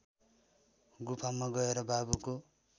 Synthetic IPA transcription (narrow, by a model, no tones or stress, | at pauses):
ɡupʰamaɡʌeɾʌbabuko